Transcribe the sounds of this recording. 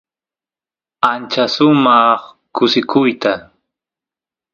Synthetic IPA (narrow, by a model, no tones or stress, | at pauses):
ant͡ʃasʊmɑχ | kʊsɪkʰʊjt̪a